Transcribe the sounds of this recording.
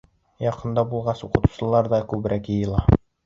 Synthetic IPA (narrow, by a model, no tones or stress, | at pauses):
jɑqɤ̆nd̪ɑbulˠʁɑsuqɤ̆t̪u̥sɤ̆lˠɑɾd̪ɑkʉbɘ̆ɾʔækjɤ̆jɤ̆lˠɑ